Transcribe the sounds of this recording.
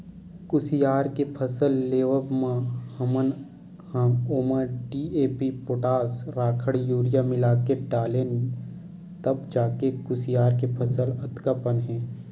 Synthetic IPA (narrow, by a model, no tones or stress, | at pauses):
kʊsijaːɾkepʰɐsəlːeːʋəbmãhɐmən | hɐoːməɾɖiːeːpipoʈaːsɾaːkʰəɽjuːɾijamɪlaːkeɖaːlen | t̪ɐbd͡ʒaːkekʊsɪjaːɾkepʰɐsəlɐt̪kəpənɦɛ̃ː